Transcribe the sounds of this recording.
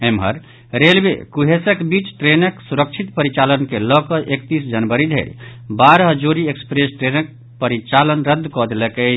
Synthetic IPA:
emɦə̰ɾ | ɾelbḛkuɦesəkbit͡ʃʈɾenəksuɾək̚t͡ʃʰit̪pəɾit͡ʃalənkelɔkəʔekt̪isd͡ʒənbəɾid̪ʱḛɾbaɾɦəd͡ʒoɾiekspɾesʈɾenək̚ | pəɾit͡ʃalənɾəd̪ʱːkɔd̪eləkə

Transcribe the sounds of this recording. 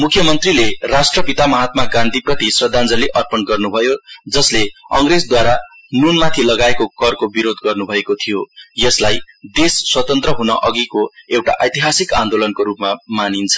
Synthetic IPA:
mukʰjʌmʌnt̪rilerasʈrʌpit̪amʌɦat̪̚makãnt̪iprʌt̪isrʌd̪ʱand͡zʌliʔʌrpʌnɡʌrnubʱʌjod͡zʌsleʌŋred͡zd̪waɾa | nunmat̪ʰilʌɡaekokʌrkobiɾod̪ɡʌrnubʱʌekot̪ʰijojʌslaj | d̪esːwʌt̪ʌnt̪rʌɦunʌ̰ʔʌɡikoewʈa̰ʔʌjt̪iɦasikand̪olʌnkoɾupmamanint͡sʰʌ̥

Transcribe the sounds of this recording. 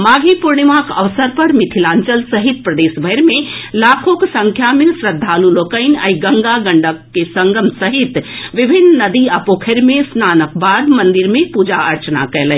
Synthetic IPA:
maːɡʱipuɾɳimakɐ̰ʋsəɾpɐɾmɪt̪ʰilaːɲt͡ʃəlsəɦit̪̚pɾəd̪eːʃbʱəɾmẽlaːkʰoksə̃ŋkʰjamɪ̃sɾəd̪ʱːaːluloːkəɪnə̰iɡəŋɡaɡɐɳɖəkːesɐŋɡʱəmsɐɦit̪ʋɪbʱɪnːnɐd̪iɐpoːkʰəɾmẽsnaːnəkbaːd̪mɐ̃nd̪ɪɾmẽpud͡ʒaʔɐɾt͡ʃna̰kɛːlə

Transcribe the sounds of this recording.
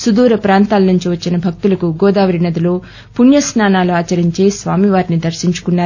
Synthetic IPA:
sud̪uːɾɐpɾaːnt̪aːlɐnuɲt͡ʃiʋɐt͡ʃːinɐbʱɐk̚t̪ulɐkuɡɔːd̪aːʋɐɾinɐd̪ilo̞ː | punjɐsnaːnaːluaːt͡ʃɐɾiɲt͡ʃe̞ːsʋaːmiʋaːɾinid̪ɐɾʃiɲt͡ʃu̥kunːaːɾu

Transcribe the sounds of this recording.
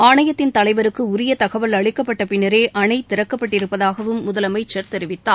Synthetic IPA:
aːɳɐjɐt̪ːɪnt̪ɐlɐɪʋɐɾɯkːɯʊɾɪjɐt̪ɐɣɐʋɐlɐɭɪkːɐpːɐʈːɐpɪnːɐɾeːʔɐɳɐɪt̪ɪɾɐkːɐpːɐʈːɪɾɯpːɐðaːɣɐʋɯmːʊðɐlɐmɐɪt͡ʃːɐɾt̪ɛɾɪʋɪt̪ːaː

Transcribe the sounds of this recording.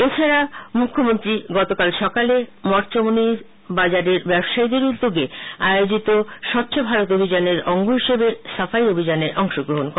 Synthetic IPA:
et͡ɕʰaɾamukʰːomont̪ɾiɡɔt̪okalʃɔkalemɔɾt͡ɕomoni | bad͡ʑaɾeɾbɛbʃaid̪eɾud̪ːoɡeaeod͡ʑit̪oʃɔpːt͡ɕobʱaɾot̪obʱid͡ʑaneɾɔŋɡoɦiʃebesafaiobʱid͡ʑaneɾʔɔŋʃoɡɾoɦonk

